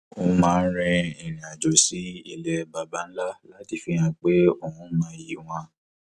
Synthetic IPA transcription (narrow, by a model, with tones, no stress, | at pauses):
o˧mãː˦˧n̩˦ɾĩ˧i˨nĩ˨a˨d͡ʒo˨˦si˦i˦˨lɛ˨˦ba˧ba˨˦n̩˦la˦la˦ti˦˨fi˧jã˧k͡pe˦o˦˨hũ˨˦mãː˦ji˨˦w̃ɔ̃˧